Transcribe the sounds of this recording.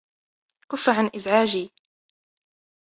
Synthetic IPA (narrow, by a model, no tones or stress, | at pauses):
kʊfːaʕanʔɪzʕaːd͡ʒiː